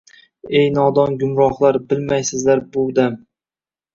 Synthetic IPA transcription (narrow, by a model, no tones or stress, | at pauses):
e̞jnɒd̪ɒnɡʊmɾɒχlˠaɾbɪlmajsɪzlaɾbʊd̪am